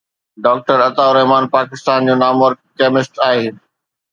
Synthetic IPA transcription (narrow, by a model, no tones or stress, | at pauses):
ɖaːk̚ʈəɾɐt̪aʊɾɐɦmaːnpaːkɪst̪aːnd͡ʑoːnaːməɾkeːmɪsʈaːɦeː